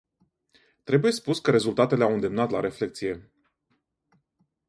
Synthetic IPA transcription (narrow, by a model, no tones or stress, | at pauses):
t̪ɾe̞buje̞spuskəɾe̞zult̪at̪e̞le̞awɨnd̪e̞mnat̪laɾe̞fle̞k̚t̪sije̞